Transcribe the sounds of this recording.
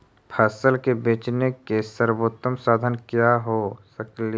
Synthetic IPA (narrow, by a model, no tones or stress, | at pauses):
pʰɛːsəlkebeːt͡ʃnekesəɾboːt̪əmsaːd̪ʱənkjaɦosəkli